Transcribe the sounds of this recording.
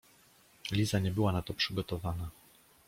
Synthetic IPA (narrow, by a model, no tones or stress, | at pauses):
lʲizaɲɛbɘwanat̪ɔpʂɘɡɔt̪ɔvana